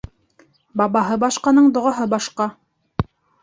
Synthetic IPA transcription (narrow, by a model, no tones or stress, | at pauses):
bɑβɑɦɤbɑʃqɑnɤɴd̪ŏʁɑɦɤbɑʃqɑ